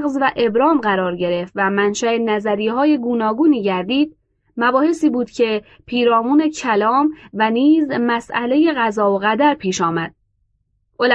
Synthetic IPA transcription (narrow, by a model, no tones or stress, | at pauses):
ɣzvæʔe̞bɾɒːmɢæɾɒːɾɟe̞ɾe̞ft̪væmænʃæenæzæɾijehɒːje̞ɡuːnɒːɡuːniːɟæɾd̪iːd̪̥̚ | mæbɒːhe̞siːbuːd̪̥cʰe̞ | pʰiːɾɒːmuːne̞cʰælɒːmvæniːzmæsʔæle̞je̞ɣæzɒːoɣæd̪æɾpʰiːʃɒːmæd̪̥̚ | ʔol